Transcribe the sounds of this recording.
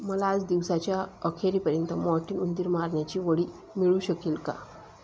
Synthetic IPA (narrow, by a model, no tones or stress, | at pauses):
məlaːd͡zd̪iʋsat͡ɕjaəkʰeɾiːpəɾjənt̪əmɔɾʈiːnund̪iːɾmaɾɳjat͡ɕiːʋəɽiː | miɭuːɕəkiːlka̰